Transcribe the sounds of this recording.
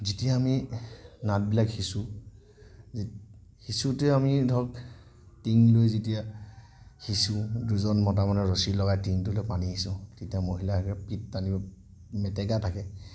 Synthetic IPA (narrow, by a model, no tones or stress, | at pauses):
zitijaːminat̚bilakhisu | hisutɛamidʱɔk | tiŋlojzetija | hisuduzɔnmɔtamanɛɹosilɔɡajtiŋtulojpaniɦisʊ̃tetijamoɦilakɛpit̚tanibɔ | mɛtɛɡatʰakɛ